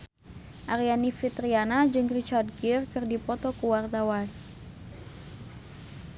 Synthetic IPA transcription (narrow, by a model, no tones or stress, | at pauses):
ʔaɾijanifit̪ɾianad͡ʒɨŋrit͡ʃard̚ɡirkɨrdipɔt̪ɔkuwart̪awa